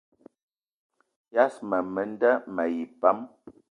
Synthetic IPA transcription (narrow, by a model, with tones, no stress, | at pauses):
ja˦smə˨mə˨n˦də˦mə˨ji˨pa˦m